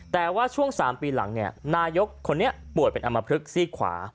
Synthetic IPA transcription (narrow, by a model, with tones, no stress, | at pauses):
t̪ɛː˨˩waː˥˩t͡ɕʰu˥˩əŋsaː˩˦mpiː˧la̰˩˦ŋni˥˩ɐnaː˧jo˦˥kʰːo˧nːi˦˥ɐpu˨˩ət̪̚pe˧nʔa˧mːa˧pʰɾɯ˦˥k̚siː˥˩kʰwa̰ː˩˦